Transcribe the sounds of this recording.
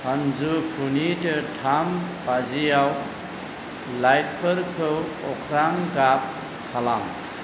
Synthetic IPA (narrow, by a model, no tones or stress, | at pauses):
hanzukʰunitɯtʰambazijaw | lajt̚pʰɯɾkʰɯwɔkʰɾaŋɡap̚ | kʰalam